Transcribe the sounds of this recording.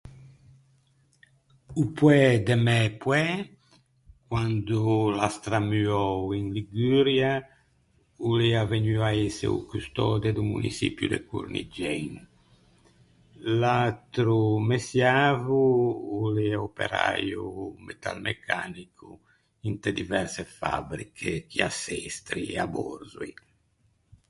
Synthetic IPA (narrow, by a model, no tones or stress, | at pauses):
upwɛd̪emɛpwɛ | kwand̪ulast̪ɾamyɔwinliɡyɾja | uliavenyaesḛṵkust̪ɔd̪ed̪umṵnḭsḭpjṵd̪ḛkṵɾnḭd͡ʒɛjnu | lat̪ɾumesjaːvuuliopḛɾa̰jumet̪a̰lmʔekʰa̰nikʰu | int̪ɾed̪ivɛɾsefa̰bɾikʰekiasɛst̪ɾieabɔ̰ɾzui